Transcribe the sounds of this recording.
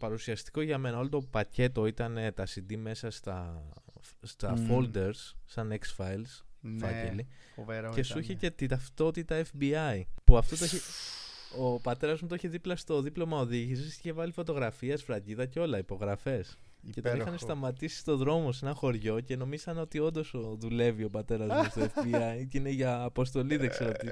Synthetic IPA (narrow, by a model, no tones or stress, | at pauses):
pɐɾusiɐst̪i̥ko̞ʝɐme̞nɐo̞lot̪o̞pɐce̞t̪o̞it̪ɐne̞t̪ɐsind̪ime̞sɐst̪ɐ | st̪ɐfold̪e̞ɾsːɐneksfɐjlsfɐcelivɾce̞suçecet̪it̪ɐft̪o̞t̪it̪ɐefbiɐipuɐft̪o̞t̪oeçe | o̞pɐt̪e̞ɾɐzmut̪oiçeðiplɐst̪o̞ðiplo̞mɐo̞ðiʝisisiçevɐlifo̞t̪o̞ɣɾɐfiɐsfɾɐɟiðɐceo̞lɐipo̞ɣɾɐfe̞s | ce̞t̪oixɐnest̪ɐmɐt̪isi̥st̪o̞ðɾo̞mo̞s̬e̞nɐxo̞ɾʝo̞ce̞no̞miz̥ɐno̞t̪io̞nd̪o̞soðule̞vio̞pɐt̪e̞ɾɐzmst̪oefbiɐiceineʝɐːpo̞s̬t̪o̞liðekseɾoot̪i